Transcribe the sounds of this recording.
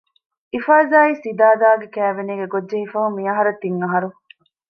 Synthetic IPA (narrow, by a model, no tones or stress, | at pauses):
ifaːzaːiːsid̪aːd̪aːɡekæːʋeniːɡeɡodʒeɦifɐɦumijɐɦɐɾɐt̪ːiŋːɐɦɐɾu